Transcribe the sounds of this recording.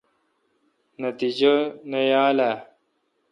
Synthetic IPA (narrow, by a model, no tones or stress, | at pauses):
nɐt̪id͡ʑɐnɐjaːla